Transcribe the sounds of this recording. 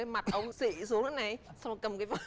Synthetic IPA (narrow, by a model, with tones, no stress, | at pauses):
ə˨˦ma˨˩t̚ʔə˧wŋ͡msḭ˧˨su˨˦əŋʔa˨˦na˨˩jsa˧wŋ͡mkə˨˩mkaː˨˦jvə˧˥